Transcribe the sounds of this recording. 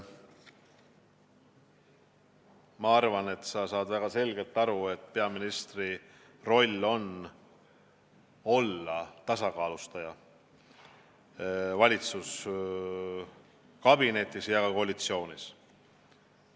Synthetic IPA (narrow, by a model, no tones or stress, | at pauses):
mɑɑrvɑne̞t̪ːsɑsɑːd̪væɡ̥ɑse̞lɡe̞lt̪ːˑɑɾue̞t̪ːˑpeɑminist̪ri | ro̞lʲːo̞n | o̞lːɑt̪ɑsɑkɑːlust̪ɑjɑ | vɑlʲit̪sus | kɑbine̞t̪ːˑisjɑkɑko̞ɑlʲit̪sio̞ːnis